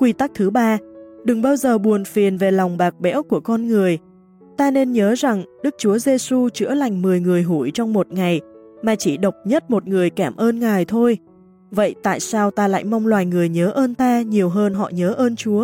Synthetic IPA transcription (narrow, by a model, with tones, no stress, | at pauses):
kwi˧t̪a˦˥k̚t̪ʰɨ˨˦ɓaː˧ɗɨ˨˩ŋɓaː˧wzəː˨˩ɓu˨˩ənfi˨˩ənve˨˩la˨˩wŋ͡mɓaː˨˩k̚ɓɛ̰˧˥wku˧˩əkɔ˧nŋɨ˨˩əj | t̪aː˧ne˧nɲəː˨˦za˨˩ŋɗɨ˦˥k̚t͡ɕu˨˦əze˧su˧t͡ɕɨ̰˧˥əla˨˩jŋ̟mɨ˨˩əjŋɨ˨˩əjɦu˧˩jt͡ɕɔ˧wŋ͡mmo˨˩t̚ŋa˨˩jmaː˨˩t͡ɕi˧˩ɗə˨˩wk͡p̚ɲə˦˥t̚mo˨˩t̚ŋɨ˨˩əjkaː˧˩mʔəː˧nŋaː˨˩jt̪ʰo˧j | və̰˧˨jt̪a̰ː˧˨jsaː˧wt̪aː˧la̰˧˨jma˧wŋ͡mlwaː˨˩jŋɨ˨˩əjɲəː˨˦ʔəː˧nt̪aː˧ɲi˨˩əwɦəː˧nɦɔ̰˧˨ɲəː˨˦ʔəː˧nt͡ɕu˨˦ə